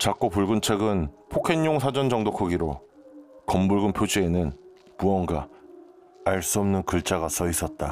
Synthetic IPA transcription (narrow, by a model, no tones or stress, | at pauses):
t͡ɕak͈opuɭɡɯnt͡ɕʰe̞ɡɯnpʰokʰeɲjoŋsʰad͡ʑʌnd͡ʑʌŋdokʰɯɡiɾo | kʌmbuɭɡɯnpʰjod͡ʑienɯn | puʌŋɡa | aɭs͈uʌmnɯnkɯɭt͡ɕ͈aɡasʰʌis͈ʌt̚t͈a